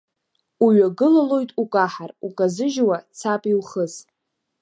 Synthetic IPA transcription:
uɥaɡɨlalo̞jtʼukʼaħarukʼazɨʒwat͡sʰapʼilχəs

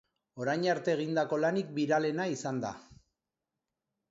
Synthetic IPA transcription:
o̞ɾajɲaɾt̪e̞ːɣ̞ind̪ako̞lanik̚biɾale̞naisand̪a̰

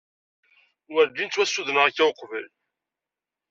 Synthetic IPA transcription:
wəɾd̪int͡sːwæsːuðənəʁækːæwəqːvəl

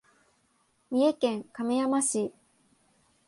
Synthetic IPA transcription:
mʲie̞kẽ̞ŋkamejamaɕi

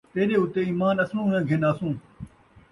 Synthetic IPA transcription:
t̪eːɗeːʊt̪eːiːmaːnɐsũːʊnãːɡʱɪnaːsũː

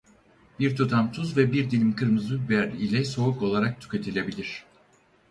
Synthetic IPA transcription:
b̥iɾt̪ʰut̪ʰamt̪ʰuzvɛbiɾd̪ilʲimkʰɯɾmɯzɯbæɾilʲɛso̞uko̞lˠaɾak̚t̪ʰy̥cʲet̪ʰilʲe̞bilʲiɾ̝̥

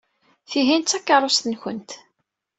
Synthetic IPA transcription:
θiɦint͡sːækːɑɾˤost̪ənçə̰nt̪

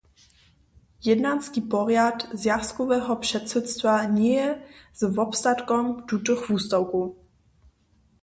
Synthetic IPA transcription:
jɛdnanskiːpɔɾjat̪zjaskɔvɛːɦɔpr̥ɛt̪sɛt̪st̪vaɲɛjɛzvɔpst̪at̪kɔmd̪ut̪ɨxvuːst̪awkuː

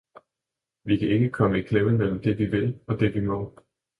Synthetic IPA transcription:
ʋikʰæe̝ɡ̥əkʰɒ̽məikʰlemənmel̰m̩d̥e̝ʋiʋe̝lɒ̽d̥e̝ʋimɔ̽

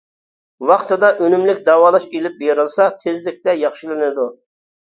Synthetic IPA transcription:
wɑχt̪ʰɨd̪ɑʔønymlɪkʲd̪ɑːwɑːlˠɑʃelɪp̚beɾɨlˠsɑt̪ʰɪzlɪk̚ʲt̪ɛjɑχʃilˠɨnɨd̪u

